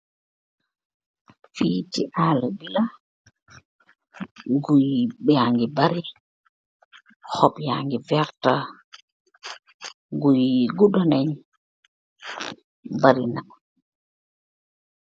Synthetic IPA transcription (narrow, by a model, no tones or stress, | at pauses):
fiːtiʔaːlabila | ɡujɓɛaŋɡibaɾi | hɔpja̰ŋɡivɛɾta | ɡujɡuɗɔnɛɲ | baɾinam